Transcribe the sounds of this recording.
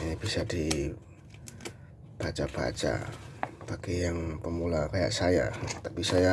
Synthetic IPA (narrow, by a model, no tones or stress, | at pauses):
bisadi | b̥at͡ʃaba̰t͡ʃa̰pakɛjaŋpəmulakaja̰ʔsaja̰t̪apisaja